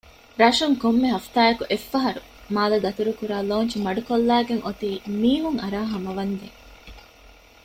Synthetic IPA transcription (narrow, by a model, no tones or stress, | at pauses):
ɾɐʃuŋkomːeɦɐft̪aːjɐkuʔefːɐɦɐɾu | maːlɐd̪ɐt̪uɾukuɾaːloːnt͡ʃimɐɖukolːæːɡeŋʔot̪iːmiːɦuŋɐɾaːɦɐmɐʋɐnd̪eŋ